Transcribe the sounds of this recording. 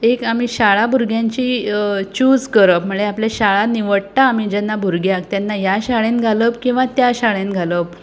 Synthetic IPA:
ekamiːɕaɭabʱuɾɡʱjãɲt͡ɕiːt͡ɕud͡zkəɾəpm̤əɭeapljaɕaɭaniʋəɽt̪aːmid͡ʑɛnːabʱuɾɡjak̚t̪janːajaɕaɭẽnɡʱaləp̚kĩw̃ʋat̪jaɕaɭẽnɡʱaləp

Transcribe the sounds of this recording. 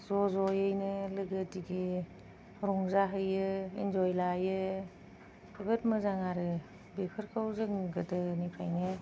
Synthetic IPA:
zɔzɔjɯjnɯlɯɡətiɡi | ɾɔŋzaɦɯjɯind͡ʒɔjlajɯ | ɯɡətmɯzaŋaɾɯ | bekʰɯɾkʰawzɯŋɡɯdɯnipʰa̰jnɯ

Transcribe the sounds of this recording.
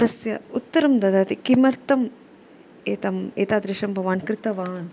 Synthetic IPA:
d̪ɐsjɐut̪ːɐɾɐmd̪ɐd̪aːt̪ikimɐɾt̪ɐm | eːt̪ɐmeːt̪aːd̪ɾiʃɐmbʱɐʋaːnkɾit̪ɐʋaːn

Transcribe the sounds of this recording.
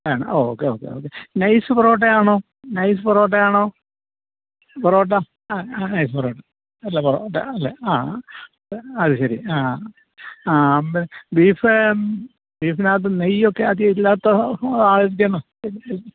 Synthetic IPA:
aːɳɨ̰oːkːeoːkːḛo̰ːkːenɐjsɨproːʈ̬ːejaːɳoː | nɐjs̬ɨpɐroːʈ̬ːejaːɳoː | proːʈːa | nɐjsɨproːʈːɐ | ɐlːeproːʈːɐ̰ɐlːeaː | eɐðɨɕɐɾiaː | ainbiːfɨ | biːfinaːt̪̬ːɨnɐjokːe̞ɐðijɐilːaːt̪ːoaːʋosikʲːɐnːo | il

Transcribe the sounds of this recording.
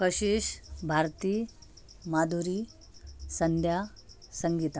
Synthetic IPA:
kəɕiːɕbʱaɾt̪iː | mad̪ʱuɾi | sənd̪ʱja | səŋɡit̪a

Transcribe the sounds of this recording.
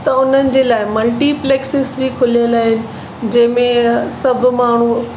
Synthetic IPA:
t̪ɐʊn̤ənɪ̆d͡ʑeːlaːɪmɐlʈipleːksɪsbikʰʊlijəlaːɦɪnɪ̆ | d͡ʑɐ̃ɦɪ̃mẽsɐbʱʊ̆maːɳ̤u

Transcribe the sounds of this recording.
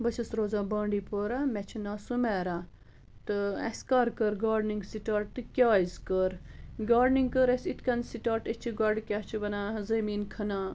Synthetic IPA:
bɐt͡ʃʰɐsɾoːzaːbaːɳɖiːpoːɾaːmɛt͡ʃʰinaːsumeːɾaː | t̪ɨɐ̰skaːɾkəɾɡaːɖniŋɡsiʈaːɾʈ̚t̪ɨkʲaːizkəɾɡaːɖniŋɡkəɾesit̪ʰkʲɐnsiʈaːʈet͡ʃʰiɡɐɾɖkʲaːt͡ʃʰibɐnaːzɐmiːnkʰɐnaː

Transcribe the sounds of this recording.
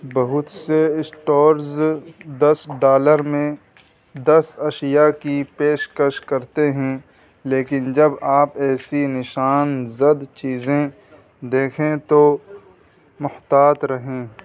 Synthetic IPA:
bɐɦʊt̪seɪsʈoːɾzd̪ɐsɖaːləɾmẽ | d̪ɐsɐʃjakipeːʃkəʃkɐɾt̪eɦɛ̃ | leːkɪnd͡ʒɐbaːpɛːsinɪʃaːnzəd̪t͡ʃiːzẽ | d̪eːkʰẽt̪o | mʊht̪aːt̪ɾɐɦẽː

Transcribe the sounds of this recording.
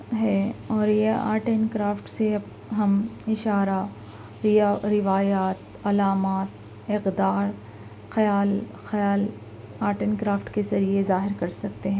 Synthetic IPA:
ɦɛːɔːɾjea̰ːɾʈenkɾaːfʈseɐb | ɦɐmɪʃaːɾa | ɾɪɾɪʋaːjaːt̪ | ɐlaːmaːt̪ | ɪqd̪aːɾ | xɐjaːl | xɐjaːl | aːɾʈənkɾaːfʈkezɐɾiezaːɦɪɾkɐɾsɐk̚t̪eɦɛ̃ː

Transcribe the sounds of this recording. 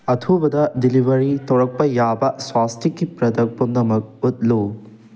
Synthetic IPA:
ɐtʰubɐdɐdilibɐɾitʰɐwɾɐk̚pɐjabɐswastʰikːipɾɐdɐk̚pɐmnɐmɐk̚ut̚lu

